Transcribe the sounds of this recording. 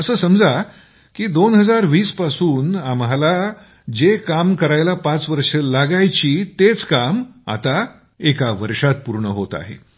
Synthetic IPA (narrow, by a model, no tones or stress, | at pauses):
əsəːsəmd͡za | kiːd̪onɦəd͡zaɾʋiːspasuːnamɦala | d͡ʑekamkəɾajlapat͡sʋəɾʂelaɡajt͡ɕiːt̪et͡skama̰t̪a | ekaʋəɾʂat̪̚puɾɳəɦot̪a̰ɦḛ